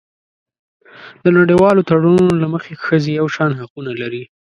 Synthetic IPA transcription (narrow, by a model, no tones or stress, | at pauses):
d̪̥ənaɽiwɑlot̪aɽununnolaməxexəzejawʃɑnhaqunalaɾi